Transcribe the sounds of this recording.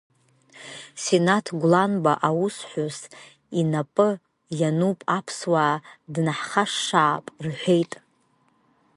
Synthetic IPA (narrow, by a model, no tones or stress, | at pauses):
senatʰɡʷlanbaʔawusħʷʊs | inapʼɨ | janupʼapʰswaːdnaħχaʂːaːpʼrħʷᶣe̞jtʼ